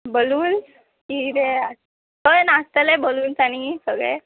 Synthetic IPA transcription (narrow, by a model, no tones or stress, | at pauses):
boluːn | kit̪ea | əjnast̪əleboluːnt͡saɽ̃isəɡɭḛ